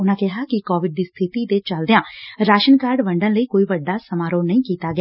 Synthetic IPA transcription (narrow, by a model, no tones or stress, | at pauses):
ʊnãːkɛɦaːkɪkɔːʋɪɖ̚d̪iːst̪ʰɪt̪it̪et͡ʃəld̪eãːɾaːʃənkaːɾɖʋəɳɖə̃nləiːkoːiːʋəɖːaːsəmaːɾoːnəĩːkiːt̪aːɡɪjaː